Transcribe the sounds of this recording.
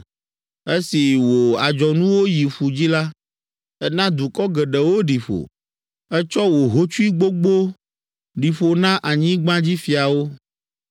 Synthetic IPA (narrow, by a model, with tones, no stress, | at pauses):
e˦si˨wo˨a˨d͡ʒɔ˨nũ˦wo˦ji˨ɸu˨d͡ʑi˦la˦ | ɛ˦nã˦d̪u˨kɔ˦ɡɛ˨ɖɛ˨wo˦ɖi˨ɸo̰˨ | ɛ˦t͡ʃɔ˦wo˨ɦo˦t͡ʃu˦i˦ɡ͡bo˦ɡ͡bo˦ | ɖi˨ɸo˨nã˦ʔa˨ɲĩ˦ɡ͡bã˦d͡ʑi˦fi˨a˨wo˦